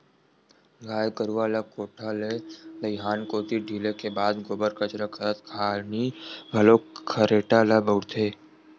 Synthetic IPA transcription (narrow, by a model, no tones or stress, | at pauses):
ɡʱaːjkəɾuʋaːlakoːʈʰaled̪əjɦaːnkoːt̪iɖʱiːlekebaːd̪ɡoːbəɾkət͡ʃɾəkʰəɾət̪kʰaːniɡʱəloːkʰəɾeːʈalabəʊɽt̪ʰeː